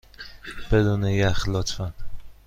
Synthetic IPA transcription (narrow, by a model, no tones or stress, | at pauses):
b̥ed̪unejæχlɒt̪ʰfæn